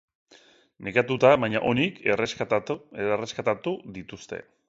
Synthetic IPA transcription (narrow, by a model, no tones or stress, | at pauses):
nekat̪ut̪aβajɲaʔo̞nikr | eereskat̪at̪uðit̪ust̪e̞̰